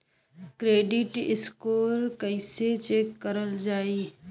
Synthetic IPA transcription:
kɾeːɖɪʈɪ̰skoːɾkəɪset͡ʃeːkːəɾəld͡ʒaːiː

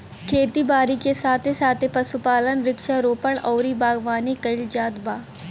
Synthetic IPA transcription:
kʰeːt̪ibaːɾikesaːt̪ʰesaːt̪ʰepɐsupaːlənɾɪkʃaɾoːpəɽ̃ɔːɾibaːɡʋaːnikɐɪld͡ʒaːd̪baː

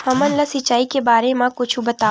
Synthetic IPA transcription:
hɐmɐnlɐsɪt͡ʃːaːikebaːɾemãkʊt͡ʃʰubɐt̪a

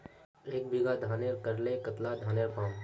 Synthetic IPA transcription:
eːk̚bʱiɡad̪ʱaːneːɾkɐɾlekət̪lad̪ʱaːneːɾpãːm

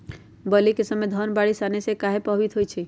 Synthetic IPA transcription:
bəlikesəmːed̪ʱənbaɽisanesekaɦepəɦit̪ɦojt͡ʃʰi

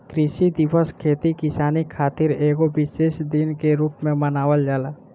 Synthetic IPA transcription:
kɾɪʃid̪ɪʋəskʰeːt̪ikɪsaːnikʰaːt̪ɪɾeːɡoʋɪʃeːʃd̪ɪnkeɾuːpmẽmənaːʋəld͡ʒaːlaː

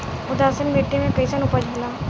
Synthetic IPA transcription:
ʊd̪aːsənmeːʈːimẽkəisaːnupad͡ʒʱoːlaː

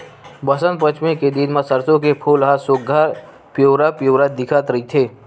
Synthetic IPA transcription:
bəsənpət͡ʃmẽked̪inmãsəɾsõkepʰoːlɦasʊɡʱaɾ | pjoːɾapjoːɾad̪ɪkʰat̪ɾəɦit̪ʰeː

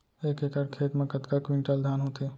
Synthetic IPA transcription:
eːkekaɽkʰeːt̪mẽkət̪kəkʋɪ̃ɳʈəld̪ʱaːnɦoːt̪eː

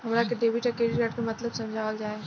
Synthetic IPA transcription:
ɦɐmɾakeɖeːʋiʈɐkeːliɾəʈ̚komɐt̪ləbsɐ̃md͡ʒʱaːʋəld͡ʒaːe

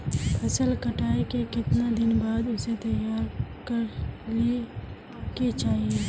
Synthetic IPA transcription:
pʰɐsəlkəʈaːekekɪt̪nad̪ɪnbaːd̪ʊset̪ɐjaːɾkəɾli | ket͡ʃaːɦie

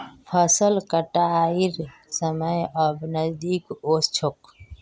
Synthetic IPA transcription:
pʰəsəlkəʈaiɾ | səməjəbnəzd̪iːkoːst͡ʃʰok

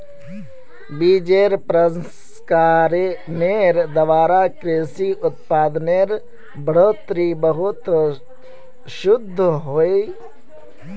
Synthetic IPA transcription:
biːd͡ʒeːɾpɾəs | kaːɾeneːɾd̪ɐʋaːɾaːkɾeːsiʔʊt̪̚paːd̪neːɾ | bʱəɽ̤oːt̪ɾibəɦʊt̪ | ʃʊd̪ʱːɦoːe

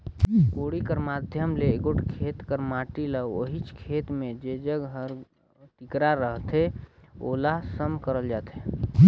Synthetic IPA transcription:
koɽikəɾmad̪ʱjəmleɡoʈkʰet̪kəɾmaʈiləoɦit͡ʃkʰet̪mẽd͡ʒed͡ʒəɡɦəɾ | t̪ikɾaɾəɦt̪eo̰lasəmkəɾəld͡ʒat̪e

